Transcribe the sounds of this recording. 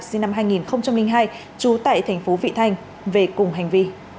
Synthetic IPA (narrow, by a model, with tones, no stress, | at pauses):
si˧nːa˧mɦaː˧jŋi˨˩nxə˧wŋ͡mt͡ɕa˧mlï˧ŋɦaː˧j | t͡ɕu˨˦t̪a̰ː˧˨jt̪ʰa˨˩jŋ̟fo˨˦vḭ˧˨t̪ʰa˧jŋ̟ | ve˨˩kʊ˨˩ŋ͡mɦa˨˩jŋ̟vi˧